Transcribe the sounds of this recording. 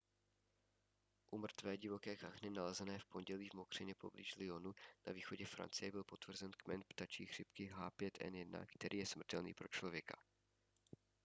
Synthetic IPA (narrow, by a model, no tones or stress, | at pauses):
ʔumr̩t̪vɛːɟɪvo̞kɛːkaxnɪnalɛzɛnɛːfpo̞nɟɛliːvmo̞kr̝̥ɪɲɛpo̞̰blḭʃlɪonuna̰viːxo̞ɟɛfɾa̰nt͡sɪjɛbɪlpo̞t̪vr̩zɛnkmɛnpt̪at͡ʃiːɣr̥ɪpkɪɦaːpjɛt̪ʰʔɛ̰njɛdna̰kt̪ɛɾʔiːjɛsmr̩t̪ɛlnḭːpɾo̞t͡ʃlo̞vjɛka